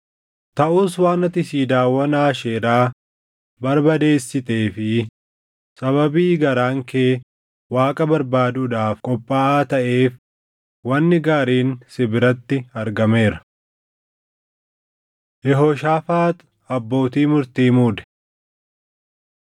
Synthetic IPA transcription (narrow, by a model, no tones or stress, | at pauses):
t̪ɐʔuːs̬waːnɐt̪ɪsiːd̪aːwːɐnaːʃeːɾaː | bɐɾbɐd̪e̞ːsːɪt̪e̞ːfɪ | sɐβɐbiːɡɐɾaːŋkeː | waːkʼɐbɐɾbaːd̪ud̪aːfkʼɔpʼːaːaːt̪ɐʔe̞ːf | wɐnːɪɡaːɾiːnsɪbɪɾɐt̪ːɪɐɾɡɐme̞ːɾɐ | jɛɦoːʃaːfaːt̪ | ɐbːo̞ːt̪iːmʊɾt̪iːmuːd̪ɛ̥